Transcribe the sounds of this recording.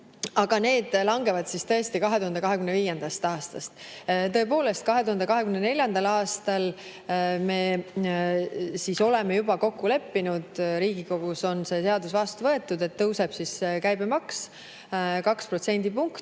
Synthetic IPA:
ɑɡ̥ɑne̞ːd̪̥lɑŋɡe̞vɑd̪̥sist̪ɤ̞est̪ikɑɦe̞t̪uhɑnd̪ekɑɦekymnːeviːjend̪̥ɑst̪ɑːst̪ɑst̪t̪ɤ̞e̞po̞ːle̞st̪̚kɑɦe̞t̪uhɑnd̪e̞kɑɦe̞kymnenelʲjɑnd̪̥ɑlɑːst̪ɑl | me̞ | siso̞le̞mejubɑko̞kːule̞pːinud̪̥ɾiːɡ̥iko̞ɡ̥uso̞nse̞se̞ɑd̪usvɑst̪uvɤ̞e̞t̪ːˑud̪e̞t̪ːɤwse̞b̥siskæjbemɑks | kɑkspro̞t̪se̞nʲd̪ipuŋkt̪

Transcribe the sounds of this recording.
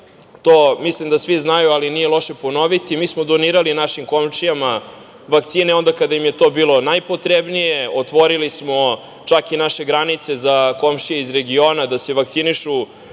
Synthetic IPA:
t̪oːmislimd̪asʋiznajualinije̞lo̞ʃe̞pono̞ʋit̪imiːsmod̪o̞niːɾalinaʃimko̞mʃijama | ʋakt̪siːneo̞nd̪akad̪ajimje̞t̪obiːlˠo̞najpot̪ɾebnijeot̪ʋo̞ɾilismo | t͡ʃakinaʃe̞ɡɾanit̪se̞zako̞mʃijeizɾe̞ɡioːnad̪aseʋakt̪siniʃu

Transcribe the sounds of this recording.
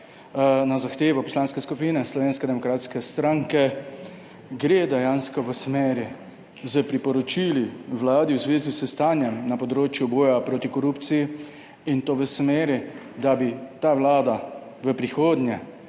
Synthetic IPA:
nazaxt̪eːʋɔpɔslaːnskɛskupinɛslɔʋeːnskɛd̪ɛmɔkɾaːt̪skɛst̪ɾaŋkɛ | ɡɾeːd̪ɛjaːnskɔʋəsmeːɾi | zəpɾipɔɾɔt͡ʃiliʋlaːd̪iwzʋeːzisəst̪aːnjɛmnapɔd̪ɾoːt͡ʃjubɔːjapɾoːt̪ikɔɾupt̪siji | int̪oːʋəsmeːɾi | d̪abit̪aːʋlaːd̪a | ʋəpɾixoːd̪nʲjɛ

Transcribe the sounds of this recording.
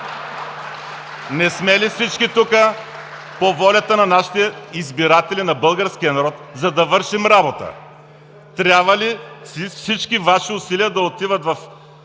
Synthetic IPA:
nɛsmɛlifsit͡ʃkit̪ukə | povɔlʲɐt̪ənɐnaʃi̥t̪ɛizbiɾat̪ɛlinɐbɤlˠɡəɾsk̟ijənɐɾɔt̪zɐd̪ɐvɤɾʃimɾabot̪ə̰ | t̪ɾʲjabvəlifsit͡ʃkivaʃiʊsiliəd̪ɐot̪ivət̪vɐf

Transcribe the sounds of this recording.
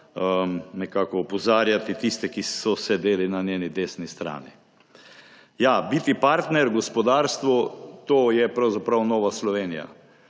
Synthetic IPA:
ənɛkaːkɔːpɔzaːɾjat̪it̪ist̪ɛkisɔsɛd̪eːlinanʲjeːnid̪eːsnist̪ɾa̰ːni | jabit̪ipaɾt̪nɛɾɡɔspɔd̪aːɾst̪ʋɔt̪oːjɛpɾawzapɾawnɔːʋaslɔʋeːnija̰

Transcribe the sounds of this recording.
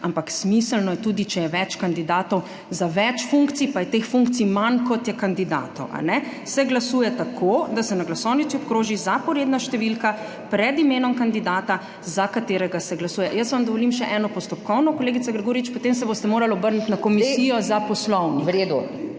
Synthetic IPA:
ampaksmisəlnɔjɛt̪uːd̪it͡ʃɛjɛʋɛt͡ʃkand̪id̪aːt̪ɔw | zaʋɛt͡ʃfuŋkt̪sipajɛt̪eːxfuŋktsimankɔt̪jɛkand̪id̪a̰ːt̪ɔ̰wʔa̰nɛsɛɡlasuːjɛt̪akʰod̪asɛnaɡlasɔwnit̪siɔpkɾoːʒizapɔɾeːd̪naʃt̪ɛʋilka | pɾɛd̪imeːnɔmkand̪id̪aːt̪a | zakat̪eːɾɛɡasɛɡlasuːjɛjəsʋamd̪ɔʋolimʃɛʔɛːnɔpɔst̪ɔp̚kɔwnɔkoleːɡit̪saɡɾɛɡoːɾiit͡ʃpot̪ems̬ɛbost̪ɛmoːɾalɔbəɾnit̪nakɔmisijɔzapɔslɔwniɾed̪u

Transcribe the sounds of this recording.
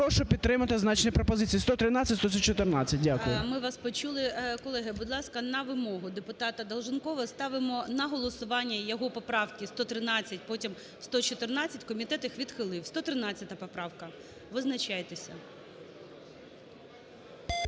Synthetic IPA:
ɔʃɔpʲid̪ːɾɪmɐt̪ɪznɑt͡ʃnɛjpɾɔpɔzɪt͡sʲist̪ɔt̪ɾɪnɑt͡sʲɐtʲst̪ɔsʲt͡ʃɔt̪ɪrnɑt͡sʲɐt̚ʲdʲakʊjʊmɪʋɑspɔt͡ʃulˠɪkɔlˠɛɦɪbʊd̪lˠɑskɐnɐʋɪmɔɦʊd̪epʊt̪ɑt̪ɐd̪ɐlˠʒɪnkɔʋɐst̪ɑʋɪmɔnɐɦɔlˠɔsʊʋɑnʲːɐjɔɦɔpɔpɾɑwkʲist̪ɔt̪ɾɪnɑt͡sʲːɐt̚ʲpɔtʲim | st̪ɔt͡ʃɔt̪ɪrnɑt͡sʲɐtʲkɔmʲit̪ɛt̪iɪxʋʲid̪xɪlˠɪwst̪ɔt̪ɾɪnɑt͡sʲːɐt̪ɐpɔpɾɑwkɐ | ʋɪznɐt͡ʃajet̪esʲɐ

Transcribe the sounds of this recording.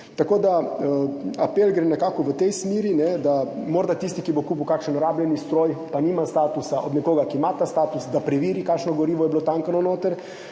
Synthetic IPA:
t̪akoːd̪aəapelɡɾenɛkaːkɔʋət̪ɛjsmiːɾinɛd̪amɔɾd̪at̪ist̪ikibokuːpuwkakʃənɔɾaːblʲɛnist̪ɾoːjpaniːmast̪aːt̪usaʔod̪nɛkoːɡakimat̪ast̪aːt̪usd̪apɾɛʋiːɾikakʃnɔɡɔɾiːʋɔjɛblot̪aŋkanɔnoːt̪əɾ

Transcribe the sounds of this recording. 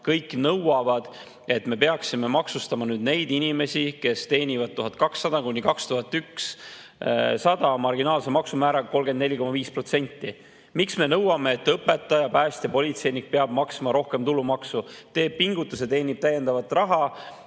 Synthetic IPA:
kɤjkːnɤwɑvɑd̪̥ | e̞t̪ːme̞pe̞ɑksime̞mɑksust̪ɑmɑnyːd̪ne̞jd̪̥inʲime̞sʲike̞st̪e̞ːnʲivɑd̪̚t̪uɦɑd̪̥̚kɑksːɑd̪̥ɑkunʲːikɑkst̪uɦɑt̪ːˑyks | sɑd̪̥ɑmɑrɡinɑːlse̞mɑksumæːɾɑɡɑko̞lɡ̥enneiko̞mɑviːspro̞t̪se̞nʲt̪ːˑi | miksme̞nɤwɑme̞ːt̪ːɤpːe̞t̪ːˑɑjɑpæːsʲt̪jɑpo̞lʲit̪se̞jnik̚peɑb̥̚mɑksmɑɾo̞hke̞mt̪ulːumɑksut̪e̞ːb̥̚piŋɡ̥ut̪ːˑuse̞t̪e̞ːnʲib̥̚t̪æjːe̞nd̪ɑvɑt̪ːˑrɑɦɑ

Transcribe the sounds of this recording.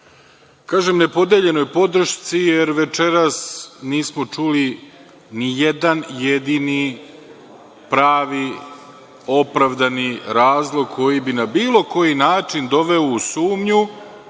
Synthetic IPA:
kaːʒemne̞po̞d̪eːʎe̞no̞jpo̞d̪ɾ̩ʃt̪sije̞ɾʋet͡ʃe̞ɾasniːsmot͡ʃuli | nijed̪anjed̪ini | pɾaːʋi | o̞pɾaʋd̪aniɾaːzlˠo̞ɡ̚kʰo̞jibinabiːlˠo̞ko̞jinaːt͡ʃind̪o̞ʋe̞ousuːmɲu

